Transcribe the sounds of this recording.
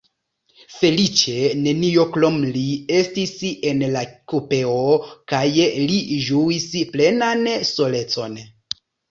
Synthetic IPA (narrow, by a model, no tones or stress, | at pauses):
fe̞lit͡ʃe̞ne̞nio̞klomliestise̞nlakope̞okajliʒuisple̞nanso̞le̞t͡so̞n